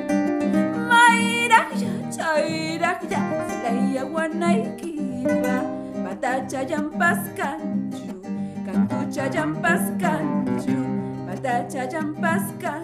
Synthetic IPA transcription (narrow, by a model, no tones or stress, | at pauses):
majɾɑχjat͡ʃajɾɑχtat̪ajːawanajkɪka | pat̪at͡ʃaʎampaskant͡ʃʊkaŋkʊt͡ʃaʎampaskant͡ʃʊpat̪at͡ʃajampaska